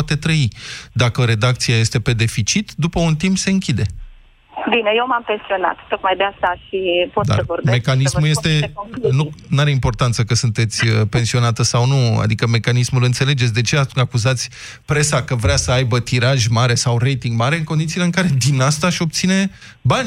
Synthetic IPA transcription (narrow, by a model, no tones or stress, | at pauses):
at̪e̞t̪ɾəid̪akəɾe̞d̪akt̪siaje̞st̪e̞pe̞d̪e̞fit͡ʃit̪d̪upəunt̪impse̞ɨŋkʲid̪e̞ | binejewmampe̞nsio̞na̰t̪t̪ok̪majd̪east̪aʃipotd̪a̰svoɾbeme̞kannismmulje̞st̪e̞nunuaɾeimpo̞rt̪ant̪səkəsunt̪e̞t̪sʲəpe̞nsio̞nat̪əsawnua̰d̪ikəme̞kanismulɨnt̪se̞le̞d͡ʒe̞t̪sʲd̪e̞t͡ʃe̞aakuzat̪sʲ | pɾe̞sakəvɾeasəajbət̪iɾaʒʲmaɾe̞sawɾe̞jt̪iŋɡmaɾe̞ɨŋko̞nd̪it̪siːleɨŋkaɾe̞d̪inast̪aːʃo̞p̚t̪sine̞ | banʲ